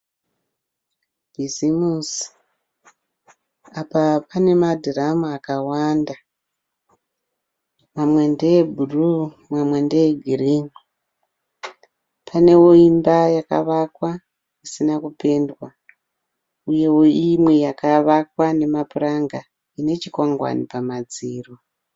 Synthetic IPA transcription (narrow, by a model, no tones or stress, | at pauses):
b̥ʱizimus | apapane̞madʱiramuakawaːnda | mamwendeebʱuru | mwamwe̞ndeeɡʱiriŋu | pʰane̞wo̞imbajaka̰ʋakwa | isinakupe̞ndwa | uje̞wo̞imwe̞jakaʋakwane̞mapuraŋɡa | ine̞t͡ʃikwaŋɡwa̰nipamad͡ziːro